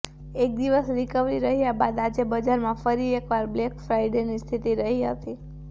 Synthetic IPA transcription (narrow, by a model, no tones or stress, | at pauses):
ek̚d̪iʋəsɾikəʋɾiɾəɦijabad̪ad͡ʒebəd͡ʒaɾmãfəɾiekʋaɾblekfɾajɖenist̪ʰit̪iɾəɦiɦət̪i